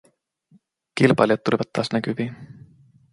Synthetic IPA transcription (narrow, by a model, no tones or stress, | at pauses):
kilbɑ̰lʲjɑt̪ːulivɑt̪ːɑːsnækyvi